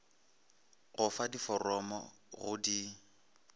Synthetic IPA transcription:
ɣʊfadifɔrɔmɔ̰ | ɣʊdi

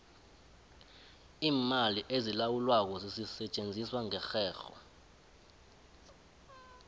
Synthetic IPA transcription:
iːmaliʔezilawulwak̬ɔzisisɛt͡ʃʼend͡zʱiswaŋɛxɛːxɔ̰

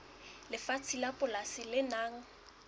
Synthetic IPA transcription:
lɪfat͡sʰilapʼʊlasɪlɪnaːŋ̩

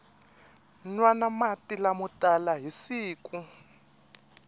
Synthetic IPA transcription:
nwanamatʼilamutʼalaɦisiːkʼu

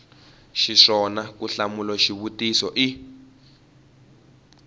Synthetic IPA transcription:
ʃiʂɔnakuɬamulaʃiβutisɔʔi

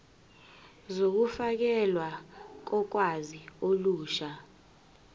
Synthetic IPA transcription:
zok̬ufak̬ɛlwak̬ɔk̬wazioluːʃa

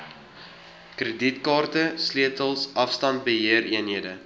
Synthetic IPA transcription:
krəditkɑːrtəsliətəlˠsʔɐfstɐnt̚bəɦiəɾiənɦiədə

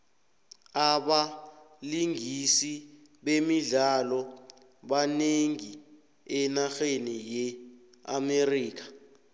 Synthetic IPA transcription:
aɓa | liŋisi | ɓemiɮalɔ | ɓaneŋi | ɛnaxenijɛ | a̰meriːk̬ʰḁ

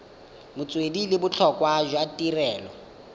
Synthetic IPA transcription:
mʊt͡sʼwedilɪbʊt͡ɬʰɔkʼwaʒwatʼirɛːlɔ

